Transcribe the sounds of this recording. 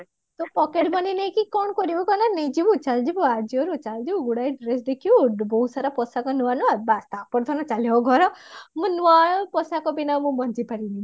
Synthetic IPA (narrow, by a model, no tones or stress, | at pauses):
t̪ɔpɔkeʈbɔninəj̃kikɔɳkɔɾibukɔnaneĩd͡ʒibũt͡ʃald͡ʒibuad͡ʒiɔɾũt͡ʃald͡ʒibuɡuɽajɖɾesd̪ekʰijubɔɦusaɾapɔsakɔnuʋanuabast̪apɔɾt̪ʰɔnɔt͡ʃaleɔɡʱɔɾɔmũnuʋapɔsakɔbinamũbɔnd͡ʒipaɾinĩ